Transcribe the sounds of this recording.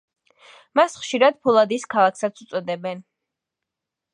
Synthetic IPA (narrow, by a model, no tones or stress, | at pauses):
masχʃiɾad̪pʰɔlˠad̪iːskʰalˠakʰsat̪sʰut̪sʼɔd̪ɛbɛn